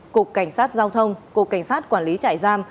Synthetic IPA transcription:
ku˨˩ək̚ːa˧˩jŋ̟saː˦˥t̚zaː˧wt̪ʰə˧wŋ͡mku˨˩əkːa˧˩jŋ̟saː˦˥t̚kwaː˧˩nli˨˦t͡ɕa̰ː˧˨jzaː˧m

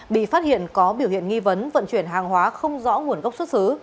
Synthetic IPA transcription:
ɓḭ˧˨faː˦˥t̚hḭ˧˨ənkɔ˨˦ɓi˧˩əwhḭ˧˨ənŋi˧və˨˦nvə̰˧˨nt͡ɕwi˧˩ənɦaː˨˩ŋɦwaː˨˦xə˧wŋ͡mzɔ̰˧˥ŋu˨˩ənɣə˦˥wk͡p̚swə˦˥t̚sɨ˨˦

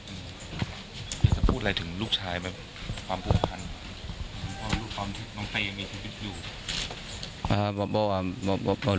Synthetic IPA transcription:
ʔɯː˧ | kʰaː˨˧˦t͡ɕa˨˩pʰuː˥˩t̪̚la˧jt̪ʰɯ˩˦ŋluː˥˩k̚t͡ɕʰaː˧jma˦˥˩ | kʰwaː˧mpʰu˨˧˩ə˨˩pʰa˧n˧˦ | ʔːpʰɔ˦a˧luː˥˩k̚t̪ɔː˧nt̪ʰiː˧˩nɔː˨˦ŋsa˧ja˧ŋmiː˧sʰiː˧wi˦˥t̪̚juː˨˩ | ʔaː˧˩bːbɔː˧waː˧˩bbbɔː˧

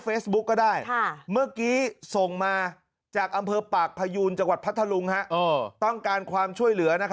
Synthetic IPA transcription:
feː˦˥sbu˦˥kːɔ˥˩daː˥˩jʰmɯ˥˩ɐkiː˦˥so˨˩ŋmaː˧ | t͡ɕaː˨˩k̚ʔa˧mpʰɤː˧paː˨˩k̚pʰa˧juː˧nt͡ɕa˧ŋwa˨˩t̪̚pʰa˦˥t̪ʰːa˧lu˧ŋha˦˥ʔʔɤː˧t̪ɔ˥˩ŋkaː˧nkʰwaː˧mt͡ɕʰu˥˩əjlɯ˩˦ɐna˦˥kʰ

